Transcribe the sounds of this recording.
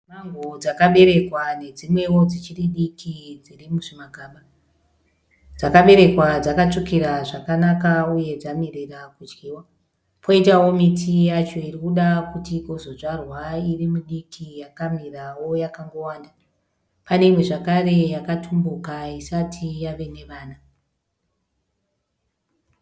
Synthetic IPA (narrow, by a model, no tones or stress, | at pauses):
maŋɡod͡zakaɓe̞ɾe̞kwane̞d͡zimwe̞wo̞d͡zit͡ʃiriɗikid͡zirimuʐimaɡʱaːɓa | d͡zakaɓe̞ɾe̞kwad͡zakat͡ʂukiɾaʐakanakauje̞d͡zamirerakud͡ʒɡiːwa | pʰo̞itawo̞mitʰijat͡ʃo̞irikuɗakutiɡʱo̞zo̞ʐarwairimuɗikʰijakamirawo̞jakaŋɡo̞waːnda | pane̞mwe̞ʐakare̞jakatʰumbukaisatʰijaʋe̞ne̞ʋaːna